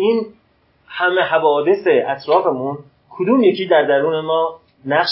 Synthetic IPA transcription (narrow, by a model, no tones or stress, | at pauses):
iːn | hæmeɦævɒːd̪e̞seʔæt̪ʰɾɒːfe̞mun | kʰod̪uːmjecʰiːd̪æɾd̪æɾuːne̞mɒː | næʃ